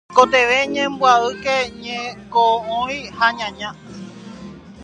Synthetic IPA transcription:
kot̪e̞ʋeɲẽmbwaɨkeɲẽkoõĩhaɲãɲã

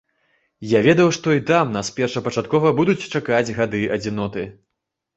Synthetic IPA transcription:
javʲɛd̪ɐwʂt̪ɔit̪amnaspʲɛrʂɐpɐt͡ʂat̪̚kɔvɐbud̪ut͡sʲt͡ʂakad͡zʲɣad̪ɨʔɐd͡zʲinɔt̪ɨ

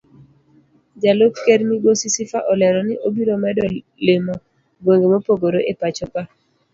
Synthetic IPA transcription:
d͡ʒalokkeɾmiɡosisifaʔɔlɛɾɔnɪʔobiɾomɛdɔ | lemɔ | ɡwoŋɡemopoɡoɾoʔepat͡ʃɔpa

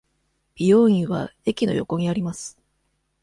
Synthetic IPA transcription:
b̥ʲijo̞ːĩɰ̃βa̰e̞kʲino̞̰jo̞̰ko̞ɲ̟iaɾʲimasɨ̥

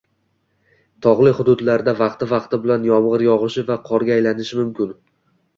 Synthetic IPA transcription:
t̪ʰɒʁlˠɪχʊd̪ʊd̪laɾd̪avɑqt̪ɪvɑqt̪ɪbɪlanjɒmʁɨɾjɒʁɨʃɪvaqʰɒɾɡʲaːjlanɪʃɪmʊmkʲʰɪn

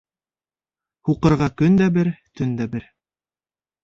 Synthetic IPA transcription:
huqɤ̆ɾʁɑkɵnd̪æbɘɾt̪ɵnd̪æbɘɾ

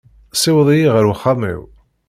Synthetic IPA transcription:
sɪwðˤijiʁəɾwχamḭw

